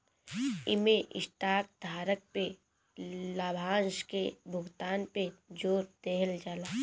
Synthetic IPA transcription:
ɪmeʔɪ̰sʈaːk̚d̪ʱaːɾək̚pe | laːbʱaːnʃkebʱʊɡt̪aːnped͡ʒoːɾd̪eɦəld͡ʒaːlaː

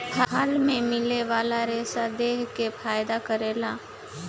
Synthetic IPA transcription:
bʰʱaɦaːlmẽmɪleʋaːlaɾeːsad̪eːɦkefʰaːjd̪akəɾeːlaː

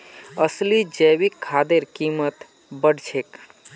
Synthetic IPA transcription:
əslid͡ʒəjʋikʰːad̪eɾkimət̪ | bəɽt͡ʃʰek

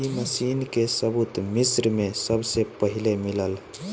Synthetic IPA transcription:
iməsiːnkesəbut̪misɾmesəbsepəɦilemiləl

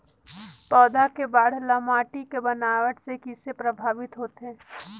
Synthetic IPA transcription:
p̪ɔːd̪akebaːɽ̤ləmaːʈikebənaːʋəʈsekisepɾəbʱaːʋɪt̪ɦoːt̪eɦɛː

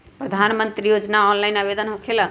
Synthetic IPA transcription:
pɾəd̪ʱanmənt̪ɾijod͡ʒnaɔnlaɪnaʋed̪ənɦõkʰela

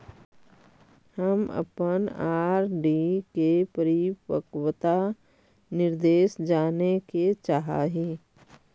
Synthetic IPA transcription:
həmə̰pənaːɾɖikepəɾipəkwət̪a | nɪɾd̪eːʃd͡ʒaːneket͡ʃaːɦa̰ɦiː

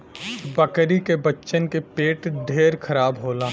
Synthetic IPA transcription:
bɐkɾikebɐtːʃənkepeːʈɖʱeːɾkʰɐɾaːbɦoːlaː

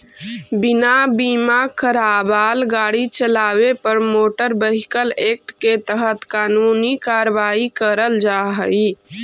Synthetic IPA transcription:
bɪnabiːmakʰəɾaːbaːlɡaːɽit͡ʃəlaːwepəɾmoːʈəɾbəɦɪkəleːk̚ʈket̪əɦət̪kaːnunikaɾəʋaːikəɾəld͡ʒaːɦəi

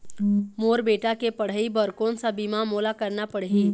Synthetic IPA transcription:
moːɾbeːʈakepəɽ̤əibəɾkõnsabimamoːlakəɾnapəɽɦi

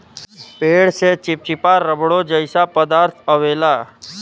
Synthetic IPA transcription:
peːɽset͡ʃɪp̚t͡ʃɪpaɾəbɽod͡ʒəɪsapəd̪aːɾt̪ʰəʋeːlaː

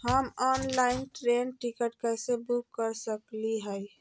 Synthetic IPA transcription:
həmɔnlainʈɾenʈikəʈkəsẽbukːəɾsəkliɦəj

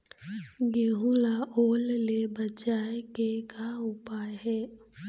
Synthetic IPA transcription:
ɡeɦulaʔoːllebət͡ʃaːekekaʊpaːjɦɛː

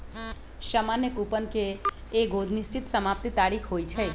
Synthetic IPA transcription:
ʃəmanjəkupənkeː | ɡʱod̪ʱnist͡ʃit̪səmap̚t̪it̪aɾikʰɦojt͡ʃʰɛ

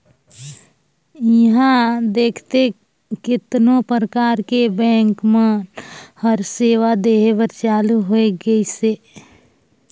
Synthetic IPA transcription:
jəɦãd̪eːkʰt̪e | kɪt̪nõpɾəkaːɾkebɛ̃ːŋkmẽ | həɾseːʋad̪eːɦebəɾt͡ʃaːluɦoeɡəiseː

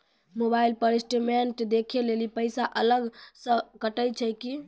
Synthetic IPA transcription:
mobailpəɾisʈimeɳʈd̪ekʰelelipəɪsaʔələɡsə̃kəʈəjt͡ʃʰəjki

